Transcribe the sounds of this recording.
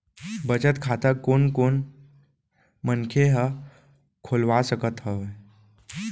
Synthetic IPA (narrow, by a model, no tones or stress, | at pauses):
bət͡ʃət̪kʰat̪əkonkon | mənkʰeɦə | kʰolʋasəkət̪ɦəʋe